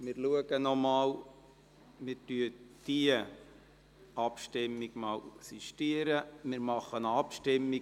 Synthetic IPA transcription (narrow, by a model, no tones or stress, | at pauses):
mɪɾluəɡənɔmɑːl | mɪɾtyəd̥iə | ɑpʃtɪmːiɡ̥mɑːlksiʃtiəɾəmɪɾmɑχənɑpʃtɪmːi